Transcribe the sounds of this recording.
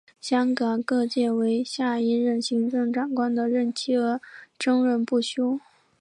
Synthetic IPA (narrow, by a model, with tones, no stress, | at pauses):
ɕjɑ˥ŋkɑ˨˩ŋkɤ˥˧t͡ɕjɛ˥˩we˧˥ɪɕja˥˩i˥ɻə˥˩nɕi˧˥ŋʈ͡ʂɤ˥˩ŋʈ͡ʂa˨˩ŋkwa˥nd̪ə˨ɻə˥˩nt͡ɕʰi˥˩ə˧˥ʈ͡ʂɤ˥ŋɻə˥˧npu˥˩ɕjo˥ʊ